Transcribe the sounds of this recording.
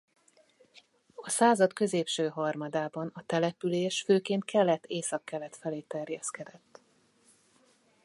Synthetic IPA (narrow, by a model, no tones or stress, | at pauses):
ɒsaːzɒt̪kø̞zeːpʃøːɦɒrmɒd̪aːbɒnɒt̪ɛlɛpyleːʃføːkeːnt̪kʰɛlːɛt̪ʰːeːsɒkːɛlːɛt̪fɛleːt̪ɛrjɛskɛd̪ɛt̪ː